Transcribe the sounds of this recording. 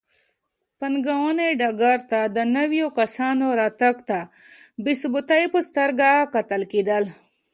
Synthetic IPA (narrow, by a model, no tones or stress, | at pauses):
pɐnɡawoneɖaɡaɾt̪ad̪ənɐwijokɐsaːnoɾat̪akt̪a | bisbut̪ajpust̪ɐɾɡakɐt̪əlkid̪əl